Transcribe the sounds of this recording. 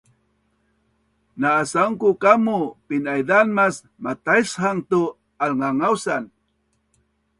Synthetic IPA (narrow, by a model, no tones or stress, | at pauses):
naːsaŋkukamupinajdanmas | mat̪aishaŋt̪u | alŋaŋawsan